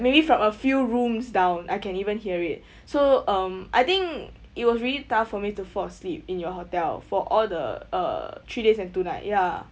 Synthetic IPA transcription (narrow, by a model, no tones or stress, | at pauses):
mebifɹɔ̃məfjuɹũmsdãʊ̃nʔajkɛ̃nivə̃nhiəɹit̚ | soʌ̃mʔa̰jt̪ĩŋk | it̚wɔsɹilitaffɔmitufɔslip̚ĩnjɔɦotɛlfɔʔɔldə̰ʌ̰tʰɹidesɛ̃ntunaɪt̚ja